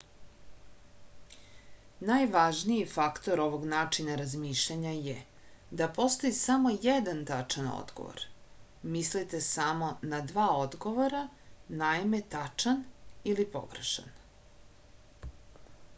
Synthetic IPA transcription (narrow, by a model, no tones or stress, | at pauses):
najʋaʒniifakt̪o̞ɾo̞ʋo̞ɡnaːt͡ʂinaɾazmiːʃʎaɲaje | d̪apo̞st̪oisamo̞jed̪ant̪at͡ʂano̰d̪ɡo̰ʋo̰ɾ | mislit̪esamo̞nad̪ʋaːod̪ɡo̞ʋoɾa | naime̞t̪at͡ʂanilipo̞̰ɡɾḛʃa̰n